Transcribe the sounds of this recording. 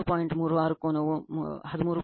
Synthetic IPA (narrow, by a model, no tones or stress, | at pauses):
paːjiɳʈmuːɾuʋaːɾukoːnɐʋuɦɐd̪umuːɾu